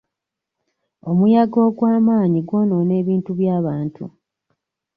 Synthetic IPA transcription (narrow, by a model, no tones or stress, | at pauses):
o̞mujaɡo̞ːɡwaːmaːɲiɡwo̞no̞ne̞ːβiːntuβjaːβaːntʰṵ